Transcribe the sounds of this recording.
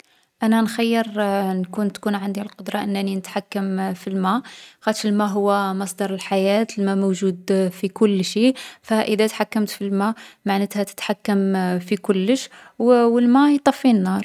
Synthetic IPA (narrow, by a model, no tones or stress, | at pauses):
ʔænænxajːəɾnkunt̪kunʕand̪ilqod̪ɾˤɑʔənːæninət̪ħakːəmfilmæxæt̪ʃəlmæɦʊwːæmɑsˤd̪ɑɾˤəlħajæt̪lmæmoʒud̪fikʊlːʃifæʔəd̪æt̪ħakːəmt̪filmæmaʕnət̪hæt̪ə̥t̪ħakːəmfikʊlːəʃ | wwəlmæjt̪ˤːɑfːinːɑɾˤ